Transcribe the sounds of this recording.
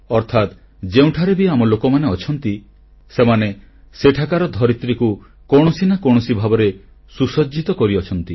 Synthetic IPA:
ɔɾt̪ʰat̪ | d͡ʒeũʈʰaɾebiamɔlokɔmaneɔt͡ʃʰɔnt̪i | semane | seʈʰakaɾɔd̪ʱɔɾit̪ɾiku | kɔɽ̃ɔsinakɔɳ̃ɔsibʱabɔɾe | susɔd͡ʒit̪ɔkɔɾiɔt͡ʃʰɔnt̪i

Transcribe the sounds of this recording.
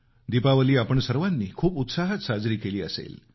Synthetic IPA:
d̪ipaʋəliːapəɳsəɾʋanːiːkʰuːput̪saɦət̪sad͡zɾiːkeliːəsḛl

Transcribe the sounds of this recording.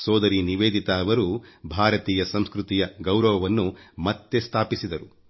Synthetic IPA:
sɔːd̪ɐɾiniʋeːd̪it̪aːɐʋɐɾubʱaːɾɐt̪iːjɐsɐmskɾut̪ijɐɡɐwɾɐʋɐʋɐnːumɐt̪ːest̪ʰaːpisid̪ɐɾu

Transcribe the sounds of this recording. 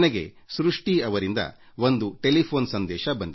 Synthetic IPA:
neɡe̞̰ | sɾuʂʈiɐʋɐɾind̪ɐ̰ | ʋo̞nd̪uʈe̞lipʰoːnsɐnd̪ɛːʃɐbɐnd̪i

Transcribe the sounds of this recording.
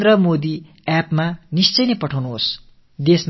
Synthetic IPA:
d̪rʌmod̪i | apmanist͡sʌjnʌpʌʈʰawnuɦos | d̪esm

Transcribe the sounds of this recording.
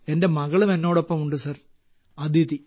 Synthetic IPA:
e̞nde̞mɐɣɐɭume̞nːo̞ːɽo̞pːɐmuɳɖɨsɐr | ɐd̪it̪i

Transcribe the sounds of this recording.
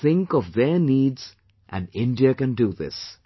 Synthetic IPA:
θɪ̃ŋkɔvðɛːniːdz̥ | ʔæ̰̃nɖɪ̃nɖiəkɨ̃nɖuðɪ̰s

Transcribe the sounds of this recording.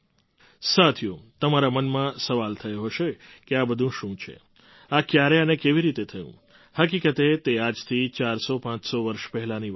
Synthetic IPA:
sat̪ʰjõt̪əmaɾamənmãsəʋalt̪ʰəjoɦəʃekeabəd̪ʱũʃũt͡ʃʰḛ | akjaɾeənekeʋiɾit̪et̪ʰəjṵ̃ | həkikət̪et̪ead͡ʒt̪ʰit͡ʃaɾsopãt͡ʃsoʋəɾʃpɛɦɛlãni

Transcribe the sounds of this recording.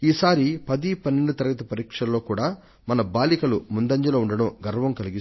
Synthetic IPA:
iːsaːɾipɐd̪ipɐnːeɳɖut̪ɐɾɐɡɐt̪ɐpɐɾiːkʂɐlːo̞ːkuːɽaː | mɐnɐbaːlikɐlumund̪ɐɲd͡ʒɐloːuɳɖɐɽɐmɡɐɾɐʋɐmkɐliɡis

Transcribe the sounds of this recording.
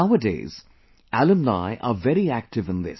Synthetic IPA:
aʊədḛɪz̥ | ʔælə̃mnaɪʔəvɛɾiæk̚tɨvɨ̃nðɪ̰s

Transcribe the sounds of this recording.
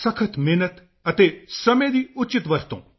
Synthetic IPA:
sɐkʰət̪meːnət̪ | ɐt̪esɐmed̪iʊt͡ʃit̪ʋɐɾt̪õ̰ː

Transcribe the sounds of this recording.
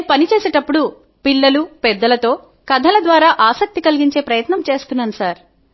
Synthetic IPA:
pɐnit͡ʃeːseːʈɐpːuɽu | pilːɐlupɛd̪ːɐlɐt̪o̞ː | kɐd̪ʱɐlɐd̪ʋaːɾaːʔaːsɐk̚t̪ikɐliɡiɲt͡ʃe̞ːpɾɐjɐt̪nɐmt͡ʃe̞ːst̪unːɐnusaːɾ

